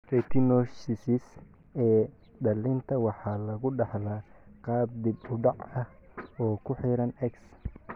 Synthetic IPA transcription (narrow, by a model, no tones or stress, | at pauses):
rɛt̪ʰɪnɔʃɪsɪs | ɛː | ɖɐlɪnt̪ʰɐwɑħɑːlɐɣʊɖɑħlaːqɑːb̚d̪ibʊɖɑʕɐhɔːkʰʊħiːɾɐnɛks